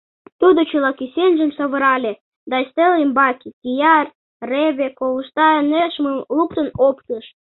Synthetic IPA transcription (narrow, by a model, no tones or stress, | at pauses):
t̪ud̪ot͡ɕulɑkisenʲʒə̆msɑβə̆ɾɑlʲe | d̪ɑist̪elimbɑkikijɑr | reβʲekoləʃt̪ɑəneʃməmluk̚t̪ə̆nopt̪əʃ